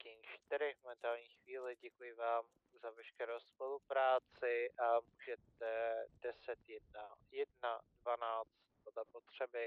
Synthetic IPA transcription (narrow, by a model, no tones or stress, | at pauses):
cɛɲʃt̪ɪɾɪmomɛnt̪aːlɲiːxviːlɪɟɛkujɪvaːm | zavɛʃkɛɾowspolupɾaːt͡sɪʔamuːʒɛt̪ɛd̥ɛsɛt̪jɛd̚najɛdnadvanaːt͡st̪̚podlɛpo̞t̪r̝̥ɛbɪ